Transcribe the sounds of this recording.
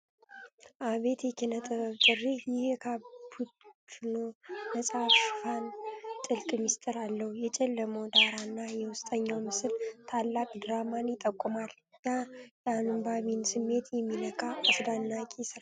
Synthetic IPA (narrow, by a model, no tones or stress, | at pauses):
ʔaβe̞t̪jɛkʰenət̪ʼɨβəβt̪ʼɨrːehjɪhɛkʰabunonəsʼaβʃɪfant̪ʼɨlkʼmɨst̪ʼɨɾalːəhujɛt͡ʃʼɛlːəməwd̪aɾanːajɛwʊst̪ʼəɲːawmɨsɨlt̪ʰalːakʼd̪ɾamanjɪt̪ʼːəkʼːʊmal | nːajɛanɨmbaβinsɨmːe̞t̪ʰjɛmːinəkʼaʔəsd̪anːakʼisɨɾa